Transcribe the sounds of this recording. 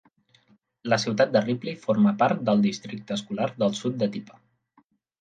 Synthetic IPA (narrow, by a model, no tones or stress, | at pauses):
ləsiwt̪at̪̚d̪əriplifoɾməpaɾt̪̚d̪əlˠd̪ist̪ɾik̚t̪əːskulaɾðəlˠsut̪̚d̪ət̪ipə̥